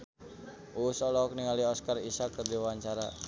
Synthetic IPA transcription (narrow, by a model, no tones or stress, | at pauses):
ʔusɔlɔk̚niŋaliɔskarisakərdiwaɲt͡ʃaɾa